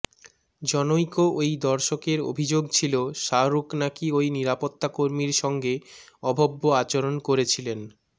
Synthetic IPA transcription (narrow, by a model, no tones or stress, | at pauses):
d͡ʑɔnojkoʔojd̪ɔɾʃokeɾo̰bʱid͡ʑoɡt͡ɕʰiloʃaɾuknakiojniɾapot̪ːakoɾmiɾʃɔŋɡeɔbʱobːoat͡ɕoɾonkoɾet͡ɕʰilen